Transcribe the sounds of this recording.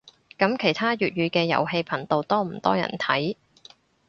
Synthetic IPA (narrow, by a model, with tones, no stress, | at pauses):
kɐ˨˥mkʰe˨˩jt̪ʰaː˥jyː˨t̚ɥyː˨˧kɛː˧jɐ̰˨˩wɦe˧jpʰɐ˨˩nt̪o˨˧wt̪ɔː˥m̩˨˩t̪ɔː˥jɐ̰˨˩nt̪ʰɐ˨˥j